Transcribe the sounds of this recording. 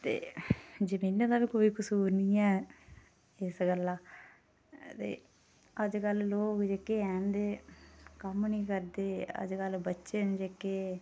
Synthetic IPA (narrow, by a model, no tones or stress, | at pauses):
t̪ḛːd͡ʒəmiːnãːd̪aːʋiːkoːiːkəsuːɾniːɛː | ɪsɡəlːãː | t̪ḛː | əd͡ʒkəlloːkd͡ʒeːkeːɛːnd̪eːkəmnĩːkəɾd̪eːə̰d͡ʒkəlbətːʃend͡ʒeːkeː